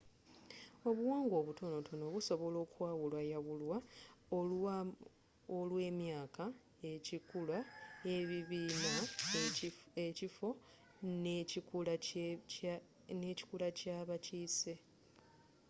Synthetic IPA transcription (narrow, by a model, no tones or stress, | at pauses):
o̞βuwaːŋɡo̞ːβutʰo̞no̞tʰo̞no̞βuso̞βo̞lo̞ːkwaːwulwajawulwa | olwe̞ːmjaːka | ecikulwaeβiβiːna | ecifo̞ | nul | ne̞ci̥kulacaːβaciːse̞